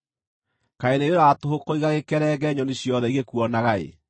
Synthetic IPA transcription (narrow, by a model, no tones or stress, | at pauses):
kaeneɾeɾatohokoiɣaɣekɛɾɛɡɛɲɔneɕjɔðɛiɣekuɔnaɣaḛ